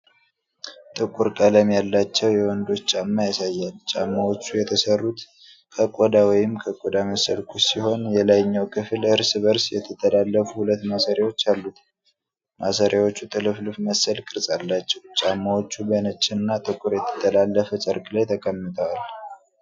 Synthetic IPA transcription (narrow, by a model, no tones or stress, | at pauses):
t̪ʼɨkʼuɾkʼələmjalːat͡ʃːɛwjɛwɔnd̪o̞t͡ʃːt͡ʃʼamːajasajːalt͡ʃʼamːawo̞t͡ʃːujɛt̪ʰəsərːut̪ | kʰəkʼod̪awɔjɪmkʰəkʼod̪aməsəlkʰusiho̞njɛlajɲːɛwkʰɨflɨɾsɨβəɾsjɛt̪ʰət̪ʰːəlalːəfuhulət̪ːmasəɾjawo̞t͡ʃːalːut̪ | mʔasəɾjawo̞t͡ʃːut̪ʼɨlɨflɨfməsəlkʼɨɾsʼalːat͡ʃːɛwt͡ʃʼamːawot͡ʃːubənət͡ʃʼːɪnɨnːat̪ʼɨkʼuɾjɛt̪ʰə̥t̪ʰʼːəlalːəfət͡ʃʼəɾkʼlajt̪ʰəkʼəmːɨt̪ʼʰəwal